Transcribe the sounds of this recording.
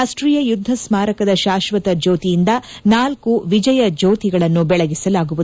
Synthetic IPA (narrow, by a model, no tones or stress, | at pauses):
aːsʈɾijɐjud̪ʱːɐsmaːɾɐkɐd̪ɐʃaːʃʋɐt̪ɐd͡ʒoːt̪ijind̪ɐ | naːlkuʋid͡ʒɐjɐd͡ʒoːt̪iɡɐɭɐnːubɛɭɐɡisɐlaːɡuʋud̪